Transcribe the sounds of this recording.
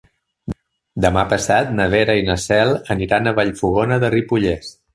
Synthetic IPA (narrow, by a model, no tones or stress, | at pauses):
d̪əmapəsat̪nəβ̞eɾəinəsɛlˠəniɾanəβaʎfuɣonəðəripuʎes